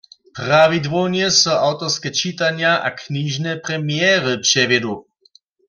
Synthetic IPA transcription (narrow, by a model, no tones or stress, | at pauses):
pravid̪ʋonjɛsɔʔawt̪ɔʁskɛt͡ʃit̪anjaʔa̰kniʒnɛpʁɛmjɛːʁɨpʂɛvjɛd̪u